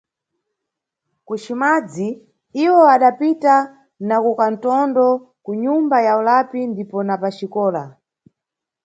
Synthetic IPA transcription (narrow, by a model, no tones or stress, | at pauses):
kut͡ʃimad͡zi | iwɔaɗapita | nakukan̩tɔndɔ | kuɲumbajaulapindipɔnapat͡ʃikɔːla